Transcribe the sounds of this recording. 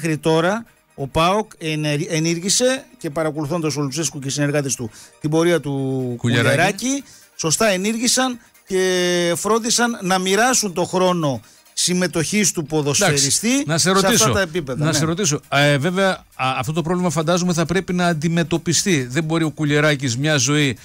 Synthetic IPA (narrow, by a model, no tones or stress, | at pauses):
exɾit̪o̞ɾɐ | o̞pɐokeniɾʝise̞ce̞pɐɾɐko̞luθond̪os̬olupseskocesine̞ɾɣɐt̪ist̪ut̪ibo̞ɾiɐt̪ukueɾɾɐci | so̞st̪ɐe̞niɾʝisɐn | ce̞fɾo̞nd̪isɐnːɐmiɾɐsunt̪o̞xɾo̞no̞ | sime̞t̪o̞çist̪upo̞ðo̞sd̪eɾistt̪inɐseɾosɐist̪ɐot̪ɐepipe̞ðɐnɐsseɾo̞t̪iso̞ve̞veɐː | ft̪o̞t̪o̞pɾovlimɐfɐnd̪ɐzomeθɐpɾe̞pinɐːnd̪ime̞t̪o̞pist̪iðe̞mbo̞ɾio̞kuʎeɾɐcizmɲɐzo̞i